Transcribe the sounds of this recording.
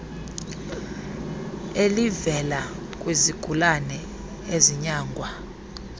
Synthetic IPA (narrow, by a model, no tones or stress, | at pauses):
elivɛla | kʼweziɡ̥ʱulanɛ | eziɲaːŋɡʱwa